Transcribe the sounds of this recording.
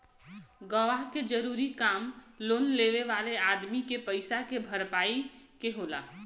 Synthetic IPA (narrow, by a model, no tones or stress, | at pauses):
ɡəʋaɦked͡ʒəɾuːɾikaːmloːnleːʋeʋaːleaːd̪mikepəɪsakebʱəɾpaːikeɦoːla̰ː